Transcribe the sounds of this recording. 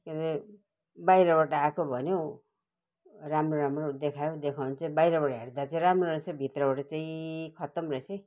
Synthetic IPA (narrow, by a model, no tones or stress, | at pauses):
keɾe | bajɾʌbaʈʌakobʱʌnjo | ramroɾamrod̪ekʰajod̪ekʰawnt͡saĩbajɾʌbaʈaɦeɽd̪at͡sʌĩɾamroɾʌsʌbʱit̪rʌbaʈʌt͡saĩkʰʌt̪ʌmrʌsʌj